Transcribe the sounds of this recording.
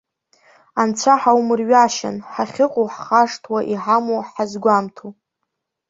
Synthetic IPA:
ant͡sʷʰaħawmɨrɥaʃa̰nħaχʲɪqʼoħχaʂtʰwaʔiħamoħazɡʷamtʰu

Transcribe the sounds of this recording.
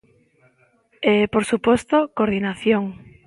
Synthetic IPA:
epoɾsupost̪okoɾðinaθjoŋ

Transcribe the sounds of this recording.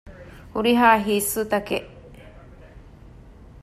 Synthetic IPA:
huɾiɦaːɦiːsːut̪ɐkeʔ

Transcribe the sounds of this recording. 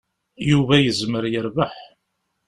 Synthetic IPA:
juvæjəzməɾjəɾvəħ

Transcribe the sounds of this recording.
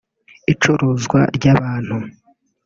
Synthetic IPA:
it͡ʃoɾozɡwa̰ɾɟaβaːn̥hu

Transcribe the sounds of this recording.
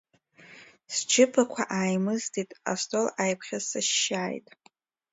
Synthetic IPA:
sd͡ʒʰɪpʰakʷʰaʔaːjmɨztʰitʼa̰stʰʼolajpʰχʲazsaʃːaːjtʼ

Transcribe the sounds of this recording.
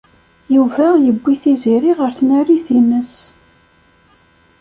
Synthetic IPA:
juvæjəbʷːiθiziɾiʁəɾθnæɾiθinːəs

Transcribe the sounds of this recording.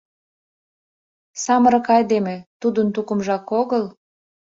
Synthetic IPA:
sɑməɾə̆kɑjd̪emet̪ud̪ənt̪ukə̆mʒɑkoɣəl

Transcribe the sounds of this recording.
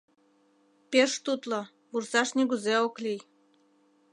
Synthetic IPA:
peʃt̪ut̪lo | βursɑʃneɣuzeoklij

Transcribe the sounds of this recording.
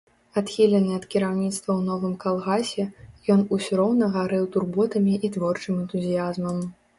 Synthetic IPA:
at̪xʲilʲɛnɨɐt̪kʲiɾawnʲit̪st̪vɐwnɔvɨmkalˠɣasʲɛjɔnusʲuɾɔwnɐɣaɾɛwt̪urbɔt̪ɐmʲiʔit̪vɔrt͡ʂɨmɛnt̪uzʲijazmɐm

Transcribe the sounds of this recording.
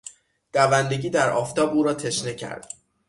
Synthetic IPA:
d̪̥ævænd̪e̞ɟiːd̪æɾʔɒːft̪ʰɒːbuːɾɒːt̪ʰe̞ʃnecʰæ̰ɾd̪̥

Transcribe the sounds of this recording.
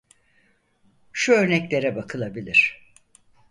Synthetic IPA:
ʃuøɾnɛclʲe̞ɾɛbakʰɯlˠabilʲiɾ̝̥

